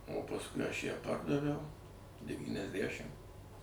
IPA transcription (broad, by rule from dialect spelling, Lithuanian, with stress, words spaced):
oː pɐsˈkʊɪ ɐʃ jæː ˈpɐrdɐʋʲɛʊ dʲɛʋʲiːnʲɛzʲˈdʲæʃʲɪm